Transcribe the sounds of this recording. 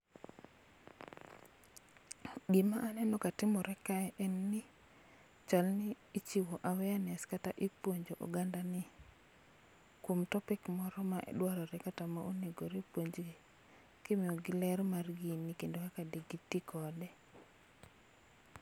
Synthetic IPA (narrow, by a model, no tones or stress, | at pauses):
ɡimaʔːnɛnɔkatɪmɔɾɛkaɛʔɛnːɪ | t͡ʃalnɪːt͡ʃiwɔʔawɛanɛskataʔipwoɲd͡ʒoʔo̰ɡandanɪ | kwomtɔpɪkmɔɾɔmaʔɛ̰ɗwaɾɔɾɛkatamaʔoneɡoɾepwoɲd͡ʒ | kɪmɪɔɡɪlɛɾmarɡinikendokakadiɡitːikʰɔdɛ